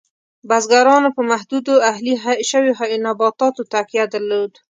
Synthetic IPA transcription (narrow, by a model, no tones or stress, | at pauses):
bazɡaɾɑnopəmaɦd̪ud̪oahliɦaʃəwoɦajnabɑt̪ɑt̪ot̪akijad̪əɾlod̪